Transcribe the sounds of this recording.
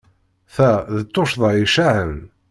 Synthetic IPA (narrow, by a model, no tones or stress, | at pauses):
θæðət̪ːoʃðˤɑiʃaʕən